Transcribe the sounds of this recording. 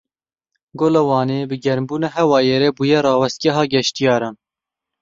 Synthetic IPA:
ɡoːlɑwɑːneːbɨɡɛɾmbuːnɛːɦɛwɑːjeɾɛbuːjɛɾɑːwɛst̪̚ɡɛɦɑːɡɛʃt̪ijɑːɾɑːn

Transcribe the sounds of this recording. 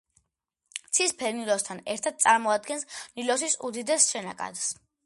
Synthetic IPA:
t̪sʰispʰɛɾnilɔst̪ʰanɛɾt̪ʰad̪̥̚sʼaɾmɔad̪̚ɡɛnsnilɔs̬isud̪id̪ɛsʃɛnakʼa̰d̪s

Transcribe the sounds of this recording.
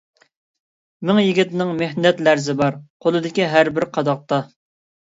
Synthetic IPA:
mɪŋjiɡʲit̪nɪŋmehnɛt̪læɾzɪbɑɾqʰolˠɨd̪ɪkʲiɦæɾbɪɾqʰɑd̪ɑq̚t̪ɑ

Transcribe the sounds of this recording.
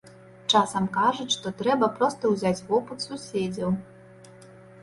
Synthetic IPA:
t͡ʂasɐmkaʐut͡sʲʂt̪ɔt̪ɾɛbɐpɾɔst̪ɐwzʲat͡sʲvɔpɨt̪susʲed͡zʲɐw

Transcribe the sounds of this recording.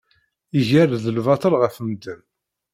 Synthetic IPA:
iʝæɾðəlvɑt̪ˤəlʁəfəmd̪əm

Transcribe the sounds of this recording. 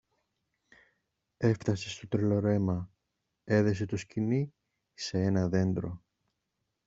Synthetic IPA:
e̞ft̪ɐsest̪o̞t̪ɾelo̞ɾe̞mɐ | e̞ðe̞set̪o̞scini | se̞e̞nɐðe̞nd̪ɾo̞

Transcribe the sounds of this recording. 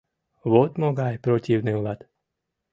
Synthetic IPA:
ʋɔt̪mɔɡajpɾɔciʊniuʋat̪

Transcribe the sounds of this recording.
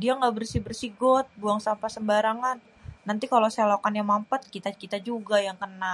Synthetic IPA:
diaŋɡabərsibərsiɡɔt̪̚buaŋsampasəmbaɾaŋanː | ant̪ikalosalokanjaŋmampat̪̚kit̪akit̪ad͡ʒuɡajaŋkəna

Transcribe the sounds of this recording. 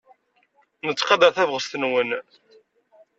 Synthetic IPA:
nət͡sːqɑd̪əɾθævʁəst̪ənwən

